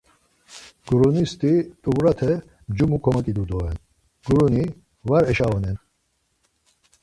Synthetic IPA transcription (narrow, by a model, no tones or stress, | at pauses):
ɡ̥ɾunist̪ʼit̪ʼuvɾat̪ʰɛ | md͡ʒumukʰɔmakʼid̪ud̪ɔɛn | ɡ̥ɾuni | vaɾɛʃaɔnɛn